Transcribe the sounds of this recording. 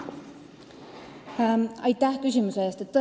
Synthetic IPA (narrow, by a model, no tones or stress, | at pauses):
ɑjt̪ːˑæhkysʲimuse̞eːst̪e̞t̪ːɤ